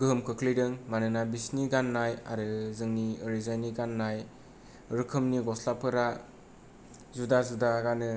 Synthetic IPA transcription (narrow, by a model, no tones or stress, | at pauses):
ɡɯmkʰɯkʰlijdɯŋmanɯnabisniɡanːaja̰ɾɯzɯŋnioɾizajniɡanːaj | ɾɯkʰɯmniɡɔslapʰɯɾa | zudazudaɡanɯ